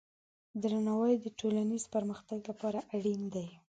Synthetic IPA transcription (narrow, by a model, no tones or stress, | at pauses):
d̪ɾanawɑjd̪əʈolanizpəɾməxt̪aɡlapɑɾaʔaɽind̪aj